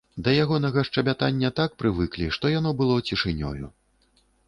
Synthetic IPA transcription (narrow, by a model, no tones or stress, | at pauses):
d̪ɐjaɣɔnɐɣɐʂt͡ʂɐbʲat̪anʲːɐt̪ak̚pɾɨvɨklʲiʂt̪ɔjan̪ɔbɨlˠɔt͡sʲiʂɨnʲɔ̰jṵ